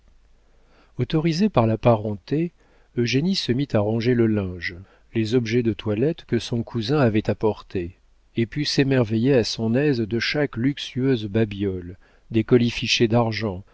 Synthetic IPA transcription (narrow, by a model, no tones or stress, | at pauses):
ot̪ɔʁizepaʁlapaʁɑ̃t̪e | øʒenisəmit̪aʁɑ̃ʒeləlɛ̃ʒ | lezɔbʒɛd̪ət̪walɛt̪kəsɔ̃kʰuzɛ̃avɛt̪apɔʁt̪ʰe | epysemɛʁvejeasɔ̃nɛzd̪əʃaklyksyøzbabjɔl | d̪ekɔlifiʃed̪aʁʒɑ̃